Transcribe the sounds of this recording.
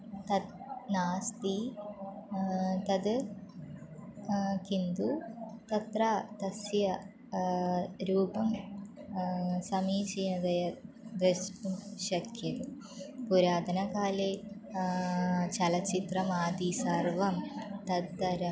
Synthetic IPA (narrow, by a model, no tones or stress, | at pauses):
t̪ɐd̪naːst̪i | t̪ɐd̪ɨ | kind̪ut̪ɐt̪raːt̪ɐsjɐ | ɾuːbɐm | sɐmiːt͡ɕejnɐd̪ɐjɐ | d̪ɐspumɕɐkʰjɐðɨ | puɾaːd̪ɐnɐkaːle | t͡ɕɐlɐt͡ʃit̪rɐmaːd̪isɐrʋɐmt̪ɐd̪d̪ɐɾɐ